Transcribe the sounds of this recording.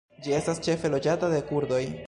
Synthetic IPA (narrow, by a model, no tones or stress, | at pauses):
d͡ʒie̞stast͡ʃe̞fe̞lo̞d͡ʒatade̞kuɾdo̞j